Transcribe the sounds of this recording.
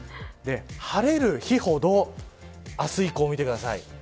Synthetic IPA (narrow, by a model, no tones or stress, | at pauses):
d̪e̞haɾe̞ɾɯ̟çiho̞d̪o̞ | asɨiko̞ːmit̪e̞kɯ̟d̪asaḭ